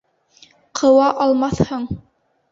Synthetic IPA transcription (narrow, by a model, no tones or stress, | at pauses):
qʰɤ̆wɑʔɑlˠmɑθhɤɴ